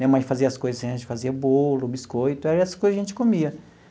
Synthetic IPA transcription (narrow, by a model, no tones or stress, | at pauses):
mẽmɐ̃j̃faziɐskojzɐsʒẽt͡ʃɪ̥faziɐbolʊbiskojt̪ʊɛɾɛsɐ̥skojzɐʒẽnt͡ʃɪ̥kõmiɐ